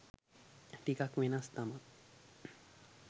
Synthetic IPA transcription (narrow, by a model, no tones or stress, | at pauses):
ʈikakmenast̪aman